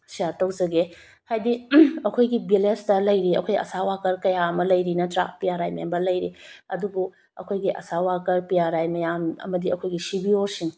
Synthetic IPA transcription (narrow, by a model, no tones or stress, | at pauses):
sijatɐwzɐɡe | hajdiɐkʰojɡibilestɐlɐjɾiɐ̰kʰojɐ̰sawakɐɾkɐjamɐlɐjɾinɐtɾa̰pijaɾajmɐjambɐlɐjɾiɐdubu | ɐ̰kʰojɡiʔɐ̰sawakɐɾpijaɾajmɐjamɐ̰mɐdiɐkʰojɡisibioɾsiŋ